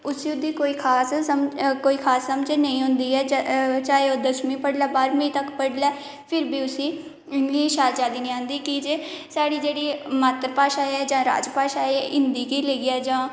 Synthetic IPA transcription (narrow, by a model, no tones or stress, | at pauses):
ʊsĩːʊd̪ːiːkoːiːkʰaːskoːiːkʰaːsːəmd͡ʒeːnəĩːɦʊ̃nd̪iːɛːt͡ʃaːeoːd̪əsmĩːpəɽlɛːbaːɾmĩːt̪əkpəɽlɛː | pʰɪɾbiːʊsĩː | ɪŋɡliːʃaːɾd͡ʒaːd̪iːnĩːãːnd̪iːkid͡ʒeːsaːɽiːd͡ʒeːɽiːmaːt̪ɾəpaːʃaːɛːd͡ʒãːɾa̰ːd͡ʒpaːʃaːeɛɪnd̪iːkiːleːɡiɛːd͡ʒãː